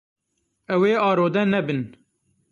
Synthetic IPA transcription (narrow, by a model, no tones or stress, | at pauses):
ɛweːɑːɾoːd̪ɛnɛbɨn